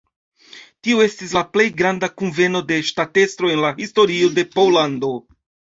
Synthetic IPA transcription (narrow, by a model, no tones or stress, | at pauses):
tioe̞stislaple̞jɡɾandakunve̞no̞de̞ʃtate̞stɾo̞e̞nlahisto̞ɾio̞de̞powlando